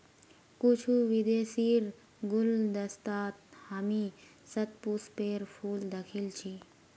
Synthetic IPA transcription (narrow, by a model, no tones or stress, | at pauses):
kut͡ʃʰuʋid̪eːsiːɾ | ɡʊld̪əst̪aːt̪̚hami | sɐt̪̚puspeːɾpʰuːld̪əkʰilt͡ʃʰi